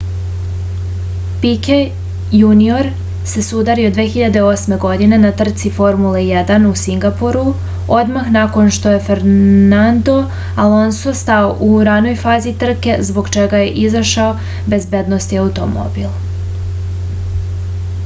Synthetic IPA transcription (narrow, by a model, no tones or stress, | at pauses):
pike | junio̞ɾ | se̞sud̪aɾiod̪ʋeːxiʎad̪e̞o̞sme̞ɡo̞d̪ine̞nat̪r̩t̪sifo̞ɾmule̞jed̪anusiŋɡapoɾu | o̞d̪maxnako̞nʃt̪o̞je̞feɾnand̪o̞ | alo̞nso̞st̪aoʔuɾano̞jfaːzit̪r̩ke̞zbo̞ɡt͡ʃe̞ɡaje̞ʔizaʃao̞ | be̞zbe̞d̪no̞st̪iaut̪o̞mo̞̰bilˠ